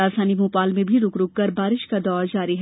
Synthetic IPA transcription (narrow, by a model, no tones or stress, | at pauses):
aːsaːnimũːpaːlmẽbʱiɾʊkɾʊkːɐɾbaːɾɪʃkad̪ɔːd͡ʒaːɾiɦ